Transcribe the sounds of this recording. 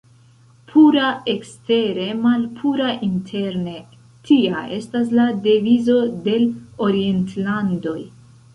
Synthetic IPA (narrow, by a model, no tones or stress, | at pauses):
pʰuɾae̞kste̞ɾe̞malpʰuɾaʔintʰe̞ɾne̞ | tʰia̰ʔe̞̰stas̬ladevizo̞de̞lo̞ɾie̞ntlando̞j